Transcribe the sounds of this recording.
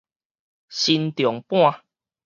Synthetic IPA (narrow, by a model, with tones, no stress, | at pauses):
ɕi˧nt̪jɔ˨˩ŋpw̃ã˥˧